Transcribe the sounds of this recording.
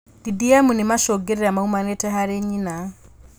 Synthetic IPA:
d̥idiamunimaʃɔɡeɾeɾamaumanetɛɦaɾeɲina

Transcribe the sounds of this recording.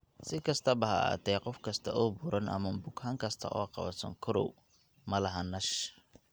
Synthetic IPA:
sɪkʰɐst̪ʰɐbɐɦɐa̰ːt̪ʰɛːqɔfkʰɐst̪ʰɐʔɔːbʊɾʔɐnʔɐ̰mɐbʊɡhaːŋkʰɐst̪ʰɐ̰ʔɔːqɑ̰βɐ̰sɐ̰ŋkʰʊɾɔ̰w | mɐlɐɦɐnɐʃ

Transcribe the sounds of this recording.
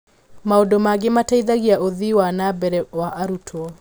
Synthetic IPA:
maodomaɡemataiðaɣiaʔoðiwanabɛɾɛwaʔaɾutʰwɔ

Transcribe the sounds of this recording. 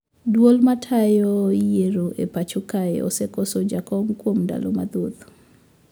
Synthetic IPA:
dwolmatʰajɔjeɾoʔḛpat͡ʃoka̰ɔ̰sekɔsod͡ʒakɔŋkwomda̰lo̰mad̪ot̪

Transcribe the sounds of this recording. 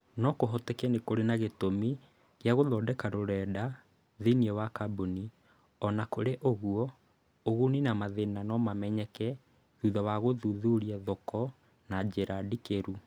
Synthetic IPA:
nɔkoɦɔtɛkɛnekoɾenaɣetomi | ɣeaɣoðɔːdɛkaɾoɾɛda | ðeniɛwakaboni | ɔnakoɾeʔoɣuɔ | oɣuninamaðenanɔmamɛɲɛkɛ | ðuðawaɣoðuðuɾiɛðɔkɔ | nad͡ʑeɾadikeɾu

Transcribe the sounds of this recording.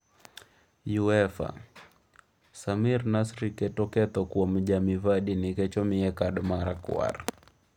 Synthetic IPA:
juɛfa̰ | samiɾnasɾikɛtɔkɛt̪ɔkuam̩ʄamivaɗinikɛt͡ʃɔmiɛkaɗmaɾakw̰a̰ɾ

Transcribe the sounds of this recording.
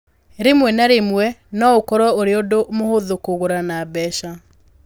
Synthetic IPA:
ɾemwɛnaɾemwɛnɔokɔɾɔoɾeodomohoðokoɣoɾanabɛʃa

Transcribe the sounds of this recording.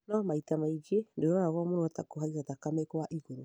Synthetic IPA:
nɔmaitamaid͡ʒiendeaɾaɣwɔmonoatakoɦaizatakamekwaʔiɣoɾo

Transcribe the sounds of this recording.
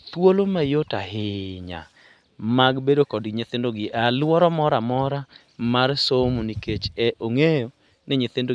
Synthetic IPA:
t̪wolomajotaɦɪɲa̰ | maɡbedokɔdɡɪɲɪt̪endoɡɪʔalwɔɾɔmɔɾamɔɾa | marsomuniket͡ʃɛʔoŋejo | nɪɲɪt̪endo

